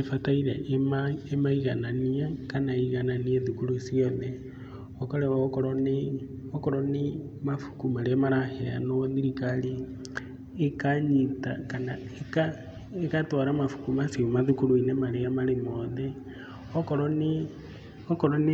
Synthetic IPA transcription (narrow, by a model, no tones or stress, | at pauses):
efataiɾḛʔmaemaiɣananiakanaiɣananieðukulusioðe | okoleβaokoɾone | okoɾoni | mafu̥kumaliamaɾahea̰noðiɾikaliː | kaɲita̰kanaeka | ekatoɾamafu̥kumasiumaðukuluinemaɾejamalemoðe | okoɾone | okoɾon